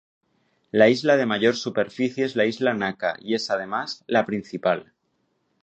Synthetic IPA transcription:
laizlað̞e̞maʝo̞ɾsupe̞ɾfiθjeezlaizlanaka̰ie̞sað̞e̞mazlapɾin̟θipal

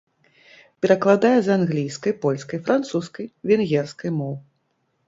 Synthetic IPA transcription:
pʲɛɾɐklˠad̪ajɛzanɣlʲijskɐjpɔlʲskɐjfɾant̪suskɐjvʲɛnɣʲɛrskɐjmɔw

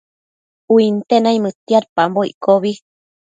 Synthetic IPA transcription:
uint̪enãimɨt̪jaɾpamboikoβi

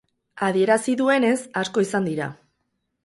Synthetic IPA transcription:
aðie̞ɾasiðue̞ne̞sasko̞isand̪iɾa̰

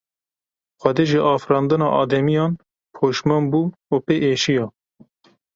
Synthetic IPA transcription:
xʷɛd̪eːʒiʔɑːfɾɑːnd̪ɨnɑːʔɑːd̪ɛmijɑːn | pʰoːʃmɑnbuːupeʔeːʃijɑː

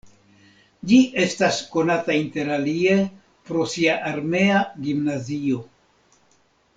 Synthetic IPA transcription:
d͡ʒiʔe̞stasko̞natainte̞ɾalie̞ | pɾo̞siaʔaɾme̞aɡimnazio̞

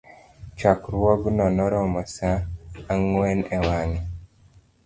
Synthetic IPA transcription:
t͡ʃakɾwɔɡnɔnɔɾɔmɔsaːŋwɛnɛwaŋɛ

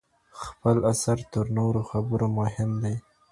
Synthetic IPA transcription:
xpəlasaɾt̪əɾnoɾoxabəɾomʊɦɪmd̪e

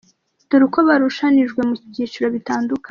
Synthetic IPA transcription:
d̥uɾukʰoβaɾuʃaniʒɡwe̞muɟit͡ʃiɾo̞βitaːndukʰa

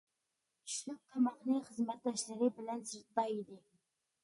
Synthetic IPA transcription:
ʃukʰːɑmɑqnɨχəzmɛt̪̚d̪ɑʃlɪɾɪbɪlɛnsɨɾt̪tɑid̪ɪ

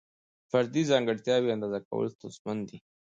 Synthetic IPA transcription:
faɾd̪izɑŋɡəɽt̪jɑwiand̪ɑzaka̰wə̰lot̪asmand̪i

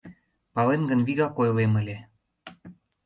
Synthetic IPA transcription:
pɑlenɡənβiɣɑkojleməlʲe

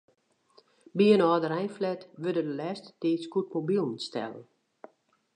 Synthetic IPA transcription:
biənɔːdəɾɛjnflɛtʋødədəlɛːstə̥tiːtskut̚mobilˠən̩stɛ̰lˠə̰n

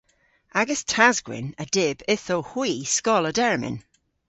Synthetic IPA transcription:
aɡəstʰazɡwɪ̰nədɪb̥ɪθowhwiːskɔlˠədɛɹmɪ̰n

